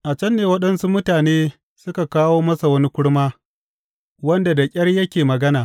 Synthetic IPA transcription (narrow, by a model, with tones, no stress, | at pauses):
ʔa˨t͡ʃɐ˦nːeː˨wɐ˦ɗɐ˦nsu˦mʊ˦taː˨neː˦ | sʊ˦ka˨kaː˦woː˦mɐ˦sa˨wɐ˦ni˦kʷʊ˦ɽmaː˦ | wɐ˦nda˨da˨kʲʼɐ˦rjɐ˦kʲeː˨mɐ˨ɡɐ˦naː˨